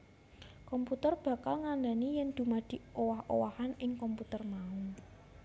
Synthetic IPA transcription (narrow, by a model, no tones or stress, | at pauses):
kɔmput̪ərb̥ä̤kalŋand̪a̤nijɛnd̪̥ṳmad̪̥i̤owaho̰wahanɪŋkɔmput̪ərmau